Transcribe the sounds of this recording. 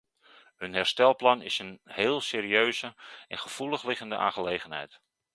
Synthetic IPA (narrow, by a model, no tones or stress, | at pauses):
hɵnɦɛrstɛlˠplɑnɪ̰sənhɪːlˠseːɾiøɥzəɛnχəv̥ulˠəχlɪχəndəʔã̰ːχəlejχənɦɛ̰jt